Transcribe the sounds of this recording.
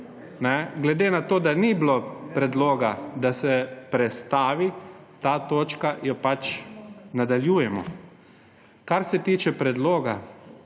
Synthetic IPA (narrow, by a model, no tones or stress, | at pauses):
nɛɡlɛd̪eːnat̪oːd̪aniblopɾɛd̪loːɡad̪asɛpɾɛst̪aːʋit̪aːt̪oːt͡ʃkajɔpat͡ʃnad̪aljuːjɛmɔ̰ | kaɾsɛt̪iːt͡ʃɛpɾɛd̪loːɡa